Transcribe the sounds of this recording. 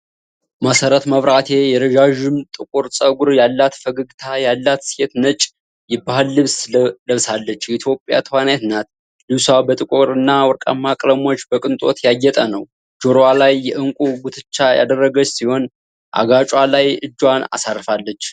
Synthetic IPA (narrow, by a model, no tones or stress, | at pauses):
məsəɾət̪məβɾat̪ʰe̞jɛɾəʒaʒɨmt̪ʼɨkʼuɾsʼəɡuɾjalːat̪fəɡəɡt̪ʰajalːat̪set̪nət͡ʃʼ | jɪbːahɨlːɨβsləβsalːət͡ʃːjɛit̪ʰjo̞pʼːja̰t̪ʰəwanet̪nat̪ | lɨβsabət̪ʼɨkʼuɾɨnːawɔɾkʼa̰mːakʼləmo̞t͡ʃːbəkʼɨnt̪ʼo̞̰t̪jajːɛt̪ʼənəw | d͡ʒoɾwalajːɛʔɨŋkʷʼuɡut̪ʰɨ̥t͡ʃːaja̰d̪ərːəɡət͡ʃːsiho̞n | ʔa̰ɡat͡ʃʼwalajɨd͡ʒːwana̰sarfalːət͡ʃː